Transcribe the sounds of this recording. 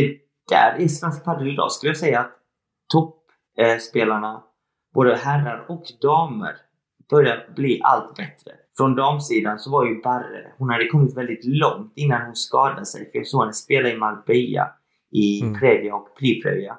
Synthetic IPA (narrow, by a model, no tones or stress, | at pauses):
ɛ | d̪̥æ̰ɾɪsɾansk̚pʰad̪əɾɪd̪ɑ̰ːskɵləjasɛjːaːt̪ʰː | ɔp | speːlaɳa | b̥oːd̪əɦærːaɾɔkd̪ɑːmə̰ɾ | b̥œɾjabliːʔa̰lt̪bɛt̪ɾə̰ | fɾɔnd̪ɑːmsiːd̪ansɔvaɾjɵbaɾə̰hʊnhad̪ːəkʰɔmːɪt̪vɛld̪ɪt̪lɔŋt̪ɪnːanhʊnskɑːd̪ad̪sɛ̰jfɾjɑsoːanəspeːlaɪmalbɛja̰ | ɪpʰɾeːvɪaɔkpʰɾiːpʰɾɛ̰vɪa̰